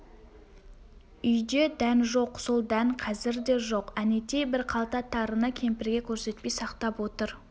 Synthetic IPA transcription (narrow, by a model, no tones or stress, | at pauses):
ʏjd̪ed̪ænʒo̞qso̞lˠd̪æŋqʰɑzɪɾd̪e̞ʒo̞qænet̪ebɪɾqʰɑlˠt̪ɑt̪ʰɑɾənɑkʲʰe̞mpɪɾɡʲe̞kʲʰɵɾse̞t̪̚pe̞jsɑqt̪ɑpwot̪əɾ